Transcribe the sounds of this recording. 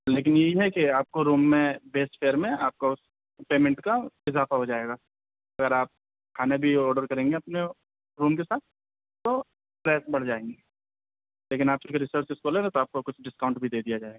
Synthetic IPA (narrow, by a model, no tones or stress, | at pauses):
leːk̬ɪnjɐɦiɦɛkiaːp̚koɾuːmːẽbeːsʈfʰeːɾmẽaːp̚kaʊs | peːmɛ̃ɳʈkaɪzaːfaɦod͡ʒaːeːɡaː | ɐɡəɾaːp̚ | kʰaːnebʱiɔːɾɖəɾkɐɾẽːŋɡeɐpne | ɾuːmkesaːt̪̚ʰ | t̪o | pɾɛːsbɐɽ̤d͡ʒaːẽːŋɡeː | leːkɪnaːp̚t͡ʃʊɾkeɾɪsəɾt͡ʃɪskoːlẽet̪oaːp̚kokʊt͡ʃʰɖɪskaːʊ̃ɳʈbʱid̪eːd̪ijad͡ʒaːeːɡaː